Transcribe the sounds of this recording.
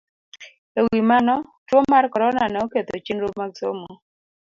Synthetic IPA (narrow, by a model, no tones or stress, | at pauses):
ewimanɔtwomːarkɔɾɔnanɛoket̪ot͡ʃinɾop̚maɡso̰moo